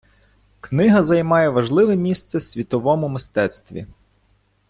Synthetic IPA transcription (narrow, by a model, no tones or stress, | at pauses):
knɪɦɐzɐjmɑjɛʋɐʒlˠɪʋɛmʲist̪sɛsʲʋʲit̪ɔʋɔmʊmɪst̪ɛt̪st̪ʋʲḭ